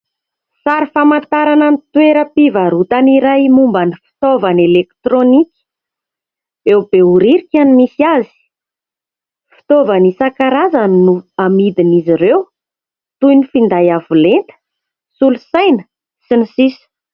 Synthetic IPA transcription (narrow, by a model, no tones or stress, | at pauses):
saɾifamant̪aɾanənit̪weɾəpivaɾut̪aniɾajmumbanifi̥t̪ovanelekt̪ronikʲi̥ | ewb̥euɾiɾikʲanimisiazi̥ | fi̥t̪ovanisakaɾazannuamid̪iniziɾew | t̪ujnifind̪ajavulent̪ə̥ | sulusajnə̥ | sinisisə̥